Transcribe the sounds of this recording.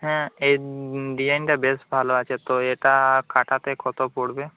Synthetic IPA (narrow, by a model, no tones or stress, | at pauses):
ɦɛ̃ejɖiajniʈabesʈbʱaloat͡ʃʰet̪oeʈakaʈʰat̪ekʰɔt̪opoɽbe